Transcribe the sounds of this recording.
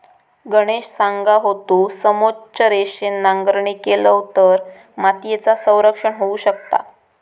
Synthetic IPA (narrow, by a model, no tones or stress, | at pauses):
ɡəɽ̃eɕsaŋɡaɦot̪uːsəmot͡ɕəɾeɕenːaŋɡəɾɳiːkeləwt̪əɾ | mat̪jet͡sasə̃w̃ɾəkʂəɳɦouɕəkt̪a̰